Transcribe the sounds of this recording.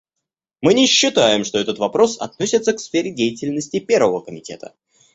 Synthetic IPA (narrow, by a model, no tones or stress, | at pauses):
mɨnʲɪɕːɪt̪ajɪmʂt̪o̞ɛt̪ət̪vɐpɾo̞sɐ̰t̪no̞sʲɪt̪səksfʲeɾʲɪdʲejɪtʲɪlʲnəsʲtʲɪpʲe̞rvəvəkəmʲɪtʲe̞t̪ə̰